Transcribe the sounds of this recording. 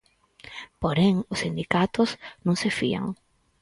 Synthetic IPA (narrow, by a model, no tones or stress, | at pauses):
poɾeŋʊsːind̪ikat̪ʊsnõŋsefḭa̰ŋ